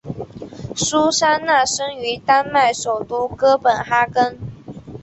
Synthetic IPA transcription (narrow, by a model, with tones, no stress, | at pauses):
su˥ʂa˥nna˥˩ʂɤ˥ŋy˧˥t̪a˥nma˥˩ɪʂo˨˩ʊt̪u˥kɤ˥pə˨˩nxa˥kə˥n